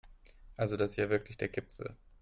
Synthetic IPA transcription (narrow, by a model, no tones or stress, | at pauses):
ʔalzodasɪstjaːvɪɐklɪçd̥eːɐɡ̥ɪpfl̩